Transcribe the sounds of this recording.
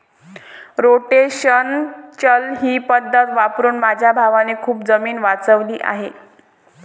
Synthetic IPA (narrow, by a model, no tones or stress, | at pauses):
ɾoʈeɕənt͡ɕəlɦiːpəd̪ʱːət̪ʋapɾuːnmad͡ʑʱjabʱaʋanekʰuːp̚d͡zəmiːnʋat͡səʋliːʔa̰ɦe